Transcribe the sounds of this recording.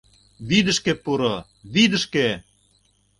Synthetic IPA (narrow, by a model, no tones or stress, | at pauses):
βid̪ə̆ʃkepuɾo | βid̪ə̆ʃke